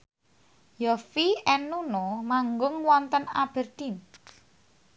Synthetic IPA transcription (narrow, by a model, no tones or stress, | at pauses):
jɔfiɛnunomaŋɡʊŋwɔnt̪əna̰b̥ɛ̤rd̪̥in